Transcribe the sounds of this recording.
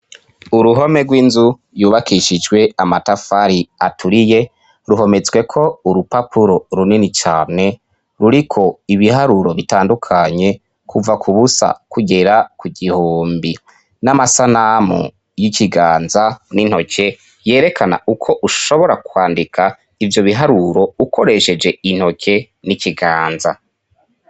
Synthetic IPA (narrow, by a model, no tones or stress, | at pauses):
uɾuɦo̞me̞ɡwiːnzu | juːβakʰiʃid͡ʒɡwe̞amatafaɾiatʰuɾije̞ | ɾuɦo̞me̞zɡwe̞kʰo̞uɾupapʰuɾo̞ɾuninit͡ʃaːne̞ | ɾuɾikʰo̞iβihaɾuɾo̞βitaːndukʰaɲe̞ | kʰuvakʰuβusa̰kuɡe̞ɾakuɡihoːmbi | namasanamṵ | jiciɡaːnzanin̥ho̞cʰe̞ | je̞ːɾe̞kʰana̰ukʰo̞ʔuʃo̞βo̞ɾakwaːndikʰa | ivjo̞βiɦaɾuɾo̞ukʰo̞ɾe̞ʃe̞d͡ʒe̞in̥ho̞cʰe̞ | niciɡaːnza̰